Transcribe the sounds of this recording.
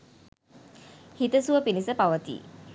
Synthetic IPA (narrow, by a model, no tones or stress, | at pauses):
hit̪əsuəpinisəpaʋət̪ḭ